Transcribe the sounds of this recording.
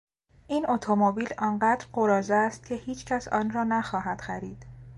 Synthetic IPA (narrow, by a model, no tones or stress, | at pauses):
ʔiːno̞t̪ʰomobiːlɒːnɢæːd̪ɾɢoɾɒːzest̪̚cʰe̞hiːt͡ʃʰcʰæsɒ̰ːnrɒːnæxɒːɦæd̪̥xæɾiːd̪̥